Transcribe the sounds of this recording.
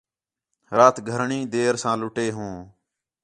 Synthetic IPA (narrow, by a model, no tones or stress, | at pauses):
ɾaːt̪ɡʱəɾɳĩːd̪eːɾsãːlʊʈeːɦõː